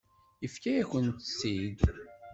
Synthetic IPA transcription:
ifkæjæçənt̪ə̥sːid̪

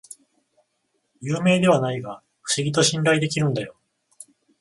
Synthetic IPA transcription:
jɯːme̞ːd̪e̞β̞anaiɡa | ɸɯ̟̥ɕiɡʲit̪̬o̞ɕĩnɾaid̪e̞kʲiɾɯ̟̃nd̪ajo̞

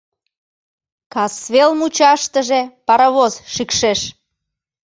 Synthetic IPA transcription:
kɑsβelmut͡ɕɑʃt̪əʒepɑɾɑβozʃikʃeʃ

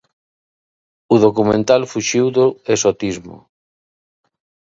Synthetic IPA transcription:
uðokumẽnt̪alfuʃiwðoesot̪izmo̰

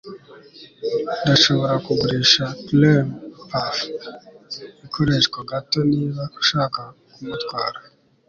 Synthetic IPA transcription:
d̪aʃoβoɾakuɡuɾiʃaplempaf | ikʰoɾeʃkoɡatoniːβaku̥ʃaːkakumut̪ɡwaːɾḁ

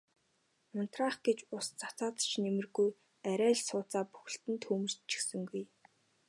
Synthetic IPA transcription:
ʊn̥t̪raːχɡ̥et͡ɕʊst͡sḁt͡saːt͡s̪ə̥̆t͡ɕnemɘ̆rɡuj | æɾʲæːɮsʊːt͡saːpu̥xɘ̆ɬt̪ɘ̆nt̪xuːmɵ̆r̥t͡ɕʰːi̥xsɘ̆ŋɡuj

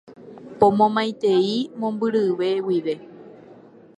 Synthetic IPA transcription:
põmõmãj̃t̪e̞imõ̞mbɨɾɨʋe̞wiʋe̞

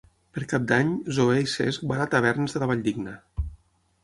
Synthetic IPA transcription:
pəɾkap̚d̪aɲzoejsezbaɾat̪əβɛɾnəzðəəβaʎd̪iɡnə

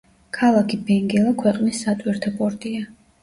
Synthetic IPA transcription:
kʰalˠakʰibɛŋɡɛlˠakʰwɛqʼnisːat̪ʼwiɾt̪ʰapʼɔɾt̪ʼia

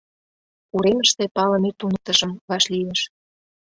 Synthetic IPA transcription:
uɾemə̆ʃt̪epɑlə̆met̪unət̪ə̆ʒəmβɑʃlijeʃ

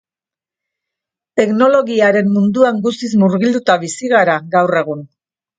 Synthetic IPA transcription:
t̪e̞kno̞lo̞ɣiaɾe̞mːund̪uaŋɡust̪izmuɾɣild̪ut̪aβisiɣaɾaɣawre̞ɣ̞un

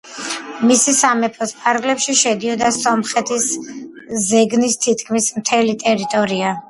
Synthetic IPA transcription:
misisamɛpʰɔspʰʼaɾɡlɛpʃiʃɛd̪iɔd̪asɔmχɛt̪ʰis | zɛɡnist̪ʰit̪ʰkʰmismt̪ʰɛlit̪ʼɛɾit̪ʼɔɾia

